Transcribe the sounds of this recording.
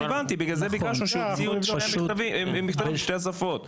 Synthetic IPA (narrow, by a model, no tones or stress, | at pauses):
vant̪ibiɡlazebikaʃnuʃeziumiavimmːixt̪aviiʃteas̬afot